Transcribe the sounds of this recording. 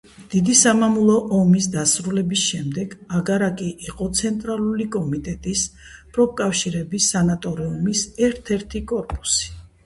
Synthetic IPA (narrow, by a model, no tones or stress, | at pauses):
d̪̥id̪isamamulˠɔʔɔmis̬d̪asɾulɛbisʃɛmd̪ɛɡaɡaɾakʼiʔːqʼɔt̪sʰɛnt̪ʼɾalˠulikʼɔmit̪ʼɛt̪ʼis | pʼɾɔp̚kʼafʃiɾɛbisːanat̪ʼɔɾiumisɛɾt̪ʰɛɾt̪ʰikʼɔɾpʼu̥si̥